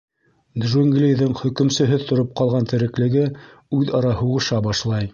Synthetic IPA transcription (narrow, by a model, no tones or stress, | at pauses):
d̪ʒoŋɡlʲijðɘŋχɵ̆kɵ̆msɵ̆ɦɘðt̪ŏɾop̚qɑlˠʁɑnt̪ʰɘ̆ɾɘ̆klɘ̆ɡɘ | ʉðɑɾɑhuʁɤ̆ʃɑbɑʃlˠɑj